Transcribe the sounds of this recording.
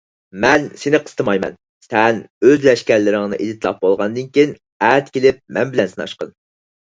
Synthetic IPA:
mɛnsenɪqʰə̥st̪ɨmɑjmɛ̰n | sɛnøzlɛʃkʲæɾlɪɾɪŋnɨ̰ʔed̪ɪt̪ʰlˠɑ̰p̚bolˠʁɑnd̪ɨnkʲijn | æt̪kʲʰelɪp̚mɛnbɪlɛnsɨnɑ̰ʃqɑ̰n

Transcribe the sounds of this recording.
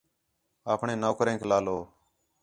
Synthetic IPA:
aːpɳeːnoːkɾẽːkʰlaːloː

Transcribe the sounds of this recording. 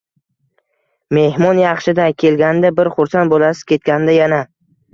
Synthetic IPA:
me̞hmɒnjɑχʃɪd̪ajkʲʰe̞lɡʲanɪd̪abɪɾχʊɾsanbolˠasɪ̥z̥kʲʰe̞t̪̚kʲand̪ajana

